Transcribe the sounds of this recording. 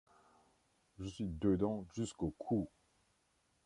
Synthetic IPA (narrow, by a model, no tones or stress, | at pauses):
ʒəsɥid̪əd̪ɑ̃ʒyskokʰu